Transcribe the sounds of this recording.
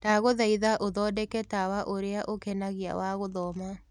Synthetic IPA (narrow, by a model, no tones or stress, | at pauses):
taɣoðaiðaʔoðɔːdɛkɛtawaʔoɾeaʔokɛnaɣia̰waɣoðɔma